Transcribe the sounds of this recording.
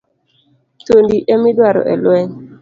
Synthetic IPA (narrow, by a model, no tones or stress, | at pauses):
tondiʔemɪdwaɾɔ̰ʔɛ̰lwɛɲ